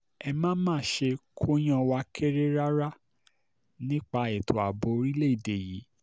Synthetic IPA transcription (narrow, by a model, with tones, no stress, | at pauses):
ɛ˧mãː˦mãː˦˨ʃe˧kʰo˦j̃ã˧wa˧˦kʰe˦ɾe˦ɾa˦ɾa˦ | nĩ˦k͡pa˧˦e˨to˨a˨bo˨˦ɾi˦le˦i˦˨de˨ji˨˦